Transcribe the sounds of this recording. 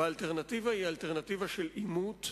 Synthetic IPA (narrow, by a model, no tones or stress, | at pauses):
aːlt̪eʁnat̪ivahialt̪eʁnat̪ivaʃelimut̪